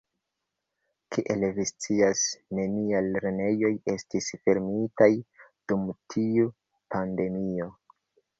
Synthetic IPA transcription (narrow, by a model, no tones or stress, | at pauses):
kʰiʔelvist͡siasne̞niajlɾene̞jo̞je̞stisfe̞ɾmitajd̥umtʰiu | pʰande̞mio̞